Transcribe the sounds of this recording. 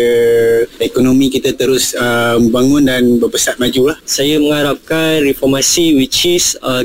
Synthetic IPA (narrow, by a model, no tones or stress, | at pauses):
ə | ekonomĩkit̪at̪əɾʊsəməbaŋʊndanbəbəsat̪̚mad͡ʒulahsajəməŋaɾap̚kanrifɔrmasiwit͡ʃisə